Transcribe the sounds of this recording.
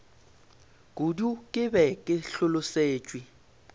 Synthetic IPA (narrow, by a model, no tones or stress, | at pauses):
kʼudukʼɪbɛkʼɪɬʊlʊseːt͡ʃʼwi